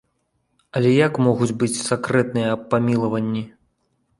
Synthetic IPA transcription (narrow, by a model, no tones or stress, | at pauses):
ɐlʲɛjakmɔɣud͡zʲbɨt͡sʲsakɾɛt̪nɨjɐːpːamʲilˠɐvɐnʲːi